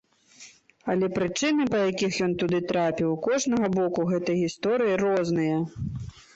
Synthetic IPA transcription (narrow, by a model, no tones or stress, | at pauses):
ɐlʲɛpɾɨt͡ʂɨnɨpɐjakʲixjɔnt̪ud̪ɨt̪ɾapʲiwkɔʐnɐɣɐbɔkuɣɛt̪ɐjɣʲist̪ɔɾɨjiɾɔznɨjɐ